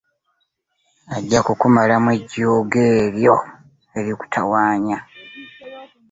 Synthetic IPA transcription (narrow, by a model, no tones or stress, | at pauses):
aɟːakukumalamweɟoːɡeːɾjo̞ | e̞ɾiku̥tʰawaːɲa